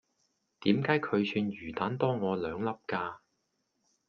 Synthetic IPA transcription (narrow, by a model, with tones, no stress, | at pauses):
t̪iː˨˥mkaː˨˥jkʰɵ˨˧ɥsyː˧njyː˨˩t̪aː˨˥nt̪ɔː˥ŋɔː˨˧lœː˨˧ŋlɐ˥p̚kaː˧